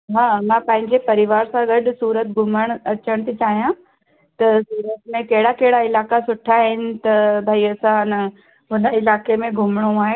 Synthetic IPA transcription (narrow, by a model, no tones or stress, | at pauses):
ɦaːmãpɐ̃ɦɪ̃ɲd͡ʑepɐɾɪʋaːɾsãɡɐɗʊ̆suːɾət̪ɡʱʊməɽ̃ɐt͡ɕəɽ̃t̪ʰit͡ɕaːɦijã | t̪ɐsuːɾət̪mẽkɐɦɪɽakɐɦɪɽaɪlaːkasʊʈʰaɦɪnɪ̆t̪ɐbʱaːiɐsãnɐ | ɦʊnəɪlaːkemẽɡʱʊmɽ̃uaːɦe